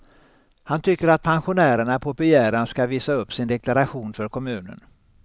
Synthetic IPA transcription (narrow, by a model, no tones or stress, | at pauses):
hant̪ʰʏkːəɾat̪̚pʰanɧʊnæːɾəɳapʰɔbɪjæːɾanskaviːsaɵpːsɪnd̪ɛklaɾaɧuːnfœɾkʰɔmʉ̟ːnə̰n